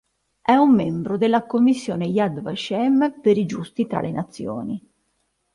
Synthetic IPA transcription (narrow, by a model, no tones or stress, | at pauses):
ɛumːembɾod̪elːakomːisːjɔːnejad̪va̰ʃɛmːpeɾid͡ʒust̪it̪ɾa̰lʔenat̪sːjo̰ːni